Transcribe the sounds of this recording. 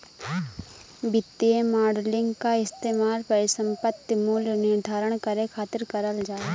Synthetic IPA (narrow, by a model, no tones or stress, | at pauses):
bɪt̪ːiemaːɾɖlɪ̃ŋɡkaɪst̪eːmaːlpəɾɪsə̃mpət̪jmuːlnɪɾd̪ʱaːɾəɽ̃kəɾekʰaːt̪ɪɾkəɾəld͡ʒaːe